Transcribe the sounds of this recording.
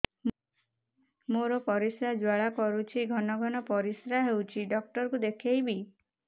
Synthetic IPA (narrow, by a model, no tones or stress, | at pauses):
moɾɔpɔɾisɾad͡ʒwaɭakɔɾut͡ʃʰiɡʱɔnɔɡʱɔnɔpɔɾisɾaɦewt͡ʃʰiɖɔk̚ʈɔɾkud̪ekʰejbi